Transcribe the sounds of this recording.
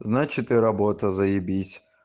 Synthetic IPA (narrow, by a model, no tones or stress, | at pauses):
znat͡ʃɪt̪ɪɾɐbɔt̪ɐzɐjibʲisʲ